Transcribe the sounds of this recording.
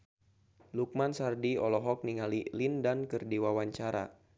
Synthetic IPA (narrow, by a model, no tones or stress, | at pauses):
luk̚mansardiɔlɔɦɔk̚niŋalilindankɨrdiwawaɲt͡ʃaɾa̰